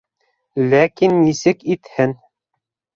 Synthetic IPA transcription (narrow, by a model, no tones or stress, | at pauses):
lækinːisɘkit̪hɘn